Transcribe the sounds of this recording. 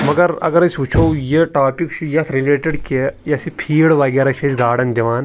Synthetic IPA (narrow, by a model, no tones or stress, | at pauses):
mɐɡɐɾɐ̰ɡɐɾɐsut͡ʃʰowjeʈaːpiksujɐt̪ʰɾileːʈeɽkejɐsipʰiːɽʋɐɡʲaːɾɐʃʰesɡaːɽɐnd͡ʒɐʋaːn